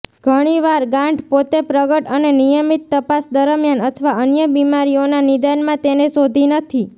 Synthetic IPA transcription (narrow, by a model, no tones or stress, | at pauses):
ɡ̥ʱəɽ̃iʋaɾɡãɳɖpot̪epɾəɡəʈənenijəmit̪ːəpasd̪əɾəmjanət̪ʰəʋaənjəbimaɾionanid̪anmãt̪enesod̪ʱinət̪ʰi